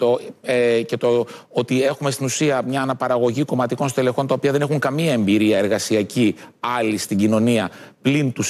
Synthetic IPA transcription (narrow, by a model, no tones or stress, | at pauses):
t̪oece̞t̪o | ot̪ie̞xumest̪inusiɐmɲɐːnɐpɐɾɐɣo̞ʝiko̞mɐt̪iko̞nsot̪ele̞xo̞nt̪ɐopiɐðe̞ne̞xuŋkɐmiɐe̞mbiɾiɐe̞ɾɣɐsiɐciɐlist̪iɟino̞niɐplint̪us